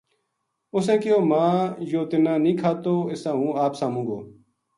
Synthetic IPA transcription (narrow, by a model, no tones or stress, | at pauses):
ʊsɛ̃ːkɪjoːmãːjoːt̪ɪnãːnĩːkʰaːt̪oːɪsãːɦũːaːpsaːmũːɡo̰ː